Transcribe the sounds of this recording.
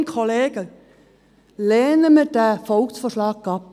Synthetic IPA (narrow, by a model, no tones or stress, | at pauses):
nkʰoleːɡ̥ə | leːnəmədæːfɔlksfɔːʃlɑːɡ̚ɡ̥ɑp